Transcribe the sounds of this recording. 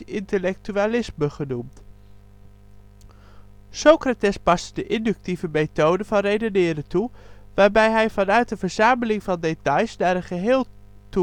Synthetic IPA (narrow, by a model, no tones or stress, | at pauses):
ɪntəlɛk̚tyalɪsməχənumt | sowkratɛspɑstdəʔɪndɵk̚tivəmejtowdəvɑnrejdənɪːɾətuʋaːɹbɛjɦɛjvɑnœɥt̚dəvəɹz̥aːməlɪŋvɑndetɑjsnaːɾənχəɦɪːlˠ | tu